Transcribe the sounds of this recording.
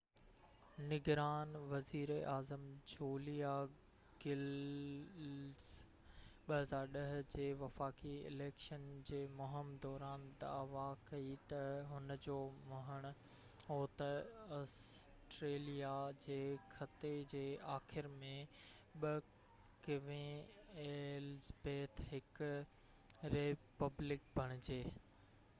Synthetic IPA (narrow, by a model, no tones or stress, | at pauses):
nɪɡɾaːnʋɐziːɾaːzəmd͡ʑoːlija | ɡ̥ɪl | z | ɓɐɦɐzaːɾɗɐɦ̆d͡ʑeːʋɐfaːkiɪ̰leːkʃənd͡ʑeːmʊɦɪmd̪ɔːɾaːnt̪ɐ̰ːʋakɐit̪ɐɦʊnəd͡ʑoːmʊɦəɽ̃ʊ̆ | ɦoːt̪ɐɔːsʈɾeːlijad͡ʑeːkʰɐt̪ed͡ʑeːaːxɪɾmẽ | ɓɐ | kɪʋẽeːlzbeːt̪ʰɦɪk | ɾepɐblɪk̚bʱɐɽ̃ɪd͡ʑeː